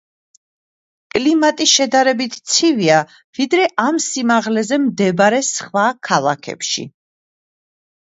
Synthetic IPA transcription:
kʼlimat̪ʼiʃɛd̪aɾɛbit̪ʰt̪sʰivia | vid̪ɾɛʔamsimaʁlɛzɛmd̪ɛbɾɛsχwakʰalˠakʰɛ̰pʃḭ

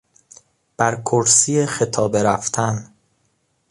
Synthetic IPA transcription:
b̥æɾkʰoɾsiːexet̪ʰɒːbe̞ɾæft̪ʰæn

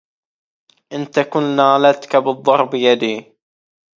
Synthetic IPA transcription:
ʔɪnt̪akʊnːaːlat̪kabɨd̪ˤːɑɾˤbɪjad̪iː

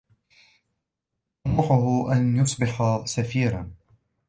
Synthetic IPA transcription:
ʔmʊħʊɦʊʔanjʊsˤbɪħasafiːɾan

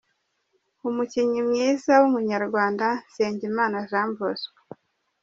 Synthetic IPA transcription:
umuciɲimɲiːzawumuɲaɾɡwaːndanse̞ːɲɟimaːnazaːmbozwe

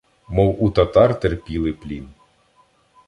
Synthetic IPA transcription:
mɔwut̪ɐt̪ɑrt̪erpʲilˠɪplʲin

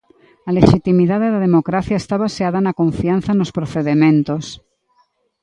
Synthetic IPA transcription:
ɐleʃit̪imiðaðeðɐðemokɾaθjaest̪aβaseaðɐnɐkoɱfianθɐnospɾoθeðemẽnt̪os

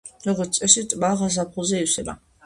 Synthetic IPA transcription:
ɾɔɡɔɾt̪sʼɛʃit̪ʼbaʁas̬apʰχulˠzɛiwsɛba̰

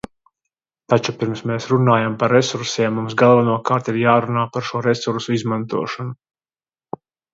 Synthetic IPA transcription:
t̪at͡ʃupiɾmsmeːsɾunaːjampaɾːesuɾsiɛmːumsɡalˠvanuɔkaːɾt̪iɾjaːɾunaːpaɾʃuɔɾɛsuɾsuizmant̪uɔʃanu

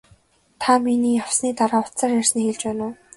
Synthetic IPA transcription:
t̪ʰaminiːjaw̥sniːt̪aɾaːʊtt͡saːrjar̥sniːxeɮt͡ɕpæːnʊː

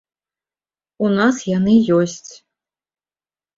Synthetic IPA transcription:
unasjanɨjɔsʲt͡sʲ

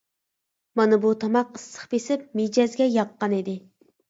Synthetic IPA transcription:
mɑnɨbut̪ʰɑmɑqəsːə̥χpesɪp̚med͡ʒɛzɡʲɛjɑqːɑnid̪ɪ

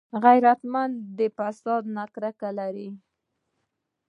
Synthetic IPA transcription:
ɣajɾat̪mand̪d̪əfasɑd̪nakɾakalaɾi

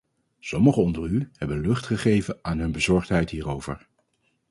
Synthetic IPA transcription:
sɔməχəɔndəɹyhɛbənlɵχtχəχejvənaːnɦɵnbəzɔɹχtɦɛjtɦiːrowvə̰ɹ

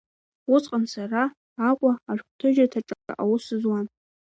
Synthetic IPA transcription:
ʊt͡sʼqʼansaraː | kʷʼaːʒᶣʷχʷtʰɨʒatʰaʈ͡ʂʼaʈ͡ʂʼa̰ʔawʊsɨzwan

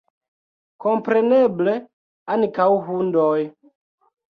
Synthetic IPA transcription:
kompɾeneble | ankawɦundoj

